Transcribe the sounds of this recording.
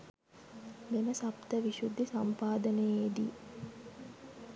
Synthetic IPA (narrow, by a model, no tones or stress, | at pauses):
meməsapt̪əʋiʃud̪ːisampaːd̪ənəjed̪ḭ